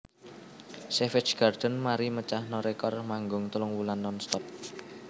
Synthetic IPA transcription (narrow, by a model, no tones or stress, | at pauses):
sefɪ̥t͡ʃɡ̥ard̪̥ənmaɾimət͡ʃahnɔɾekɔrmaŋɡʊŋt̪əlʊŋwulanːɔnst̪ɔp̚